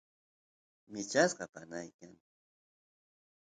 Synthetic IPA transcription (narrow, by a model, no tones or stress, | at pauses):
mɪt͡ʃasɢɑpanajkaŋ